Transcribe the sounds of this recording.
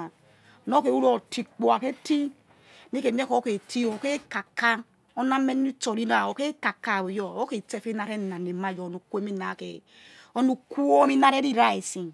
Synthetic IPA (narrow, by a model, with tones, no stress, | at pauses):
no˦ke˨u˦ɾo˨ti˨k͡po˨a˨ke˦ti˦ | ni˦ke˨m˦e˦ko˨˦ke˨ti˦o˨ke˦ka˨kːa˦ | o˦na˦me˦n˦i˦t͡ʃo˨ɾi˦n˦a˨o˨ke˦ka˨ka˦˨o˨jo˦o˦ke˨te˦fe˦na˨ɾe˦˨na˨ne˨ma˦˨jo˨nu˨ku˦e˦mi˦na˨kḛ˨ | o˦nu˨ku˦o˦mi˦na˦ɾe˦ɾi˦ɾa˨i˨si˨ŋ